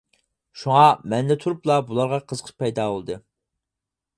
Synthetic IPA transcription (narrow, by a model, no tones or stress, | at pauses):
ʃuŋɑmɛnd̪ɛt̪ʰuɾuplˠɑbulˠɑɾʁɑqʰəz̥qʰə̥pɛjd̪ɑːbolˠɨd̪ɨ